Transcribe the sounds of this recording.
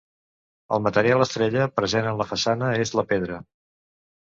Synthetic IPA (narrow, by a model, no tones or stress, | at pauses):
ə̰lˠmət̪əɾialˠəst̪ɾeʎəpɾəzenənləfəsanəezləpeðɾə